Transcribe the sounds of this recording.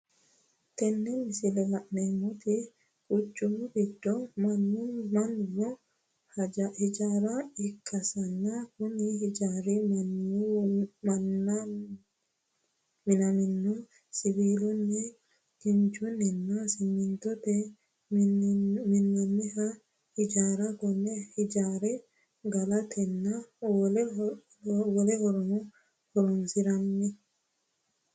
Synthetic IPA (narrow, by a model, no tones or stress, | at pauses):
t̪ɛnːɛmɪsɪlɛlaʔnɛmːɔt̪i | kʼʊt͡ʃʼːumbidːɔmanːumanːɔ | d͡ʒhɪd͡ʒaɾaɪkʰːɐsɐnːakʊnihd͡ʒaɾimn | n | mɪnamɪnːu | sibilunːɛ | kiɲt͡ʃunɛnːasimːint̪ɔt̪ɛ | minːamːiha | hid͡ʒaːɾakɔnːɛhid͡ʒaɾɛ | ɡalat̪ʰɛnːalɛ | wɔlɛhɔɾɔnɔ | hɔɾɔnsiɾamːɛ